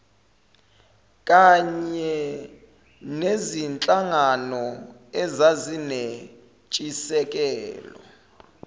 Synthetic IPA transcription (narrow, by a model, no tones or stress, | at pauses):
kʼaɲɛ | nezint͡ɬʼaŋanɔɛzazine | t͡ʃʼisɛk̬ʼɛːlɔ̰